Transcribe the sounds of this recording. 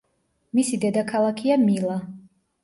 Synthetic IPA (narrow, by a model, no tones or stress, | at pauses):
misid̪ɛd̪akʰalˠakʰiamilˠa